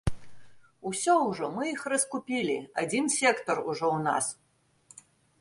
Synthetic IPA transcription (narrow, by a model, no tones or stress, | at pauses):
usʲɔwʐɔmɨixrɐskupʲilʲḭad͡zʲinsʲɛkt̪ɔruʐɔwna̰s